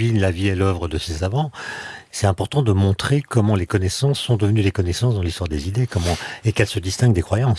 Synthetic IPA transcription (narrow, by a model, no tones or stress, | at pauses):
inlaviɛlœvʁəd̪əsesavɑ̃sɛt̪ɛ̃pɔʁt̪ɑ̃d̪əmɔ̃t̪χekɔmɑ̃lekɔnɛsɑ̃sːɔ̃d̪əvənyd̪ekɔnɛsɑ̃sd̪ɑ̃list̪waʁd̪ezid̪ekɔmɑ̃ekɛlsəd̪ist̪ɛ̃ŋɡ̚d̪ekχwajɑ̃s